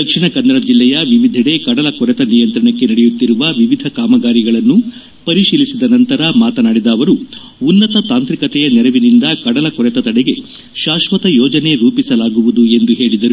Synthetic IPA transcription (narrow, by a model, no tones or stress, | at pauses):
d̪ɐkʂiɳɐkɐnd̪ɐɾɐd͡ʒilːɛjɐʋiʋid̪ʱɐɽe̞kɐɽɐlɐkɔɾɛt̪ɐnijɐnt̪ɾɐɳɐkːenɐɽɛjut̪ːiɾuʋɐʋiʋid̪ʱɐkaːmɐɡaːɾiɡɐɭɐnːu | pɐɾiʃiːlisid̪ɐnɐnt̪ɐɾɐmaːt̪ɐnaːɽid̪ɐːʋɐɾuː | nːɐt̪ɐt̪aːnt̪ɾikɐt̪ɛjɐnɛɾɐʋinind̪ɐkɐɽɐlɐkɔɾɛt̪ɐt̪ɐɽɛɡe̞ | ʃaːʃʋɐt̪ɐjɔːd͡ʒɐne̞ɾuːpisɐlaːɡuʋud̪ue̞nd̪uɦe̞ːɭid̪ɐɾu